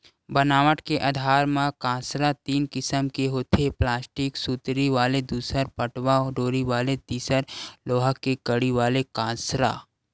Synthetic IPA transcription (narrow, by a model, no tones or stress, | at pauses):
bənaːʋəʈkeʔɐd̪ʱaːɾmãkãːsɾat̪iːnkɪsəmkeɦoːt̪ʰeplaːsʈɪksuːt̪ɾiʋaːled̪uːsəɾpəʈʋaɔːɖoːɾiʋaːlet̪iːsəɾloːɦəkːekəɽiʋaːlekãːsɾa̰ː